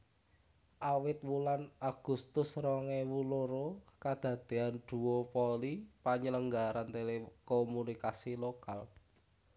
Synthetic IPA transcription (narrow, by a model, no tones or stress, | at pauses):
ʔawɪt̪̚wulanaɡ̥ṳst̪ʊsrɔŋɛwuloɾokad̪̥ä̤d̪̥e̤and̪̥ṳwopolipaɲələŋɡaɾant̪elekomunikasilokal